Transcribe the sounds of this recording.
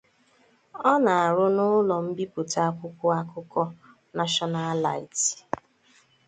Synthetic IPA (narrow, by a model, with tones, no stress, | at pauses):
ɔ˦na˨a˨ɾʊ˦nʊ˦lɔ˨m̩˦bi˦pʊ˨ta˦kʷʊ˦kʷʊ˦a˦kʊ˦kɔ˦ | na˦ʃɔ˦na˦la̰˨i˨t